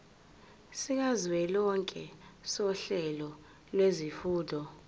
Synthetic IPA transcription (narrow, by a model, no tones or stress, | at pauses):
siŋazwɛlɔŋkʼɛsɔɬɛlɔ | lwezifuːdʱɔ